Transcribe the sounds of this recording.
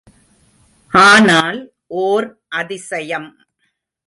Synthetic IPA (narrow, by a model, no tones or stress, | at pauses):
ʔaːnaːl | ʔoːɾ | ʔɐðɪsɐjɐm